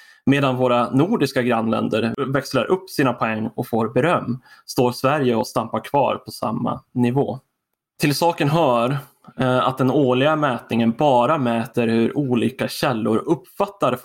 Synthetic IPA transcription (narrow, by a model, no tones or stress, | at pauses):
meːd̪anvoːɾanuːɖɪskaɡɾanːlɛ̰nd̪əɾvɛksləɾʔɵpːsiːnapʰɔɛŋːɔfoːɾbɛɾœmːst̪oːɾsvæɾjəɔst̪ampaɾkʰv̥ɑ̰ːɾpʰɔsa̰mːa̰nɪvo̰ː | t̪ʰɪlsɑːkənɦœːɾ | a̰t̪̚d̪ɛnoːɭɪɡamɛːt̪nɪŋənbɑːɾamɛːt̪əɾhɵɾʔuːliːkaɕɛlːʊɾɵpːfat̪ːaɾ